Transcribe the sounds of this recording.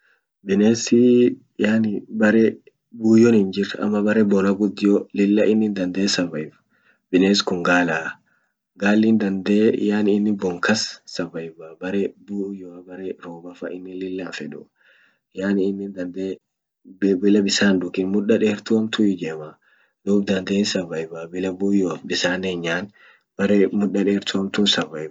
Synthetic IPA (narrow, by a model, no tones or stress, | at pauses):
bɪneːsɪ | jaːnɪbɐɾɛ | buːjɔnɪnd͡ʒɪɾɐ̰mːɐbɐɾɛbɔnɐɡʊd̪ɪjɔlɪlːɐʔɪnːɪnd̪ɐnd̪eːsɐvɐjɪf | bɪneːskʊŋɡaːlaː | ɡaːlːɪnd̪ɐnd̪eːjaːnɪɪnːɪbɔŋkɐsːɐvɐjɪbabɐɾɛbuːjoɐbɐɾeɾoːbɐfɐ̰ʔɪnːɪnlɪlːaːnfɛᶑʊ̰ | jaːnɪɪnːɪnd̪ɐnd̪e | bɪlɐbɪsaːnd̪ʊkɪnmʊᶑːɐᶑeːɾt̪ʊɐmt̪ʰʊɪd͡ʒɛːma | d̪̥uːbd̪ɐnd̪eːnsɐvɐjɪbabɪlɐbuːjɔbɪsaːneːɲːaːn | bɐɾemʊᶑːɐᶑeːɾt̪ʰʊɐmt̪uːnsɐvɐjɪ